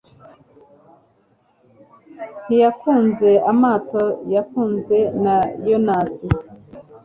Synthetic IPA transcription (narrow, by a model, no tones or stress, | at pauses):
n̥ijakuːnze̞amaːto̞jakuːnze̞najonasi